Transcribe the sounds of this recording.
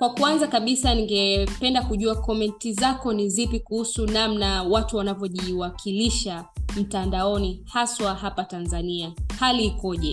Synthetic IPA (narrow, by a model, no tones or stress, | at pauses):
kwakuanzakaɓisaniŋɡɛpɛndakuʄuakɔmɛntizakɔnizipikuhusunamnawatuwanavjɔʄiwakʰiliʃam̩tandaɔnihaswaɦapatanzaniahaliikɔʄɛ